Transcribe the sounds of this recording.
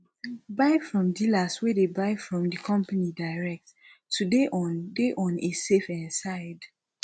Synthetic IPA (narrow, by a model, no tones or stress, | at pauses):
baɪfɹɔ̃mdilaswɛdebaɪfɹɔ̃mdəkʰɔ̃mpanidaɪɹɛk̚t | udeʔɔ̃ndeʔɔ̃nesefɛ̃nsaɪd